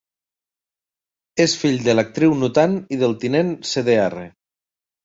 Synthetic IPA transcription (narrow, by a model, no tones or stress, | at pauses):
esfiʎd̪elak̚t̪ɾiwnut̪aniðelˠt̪inenseðeɛre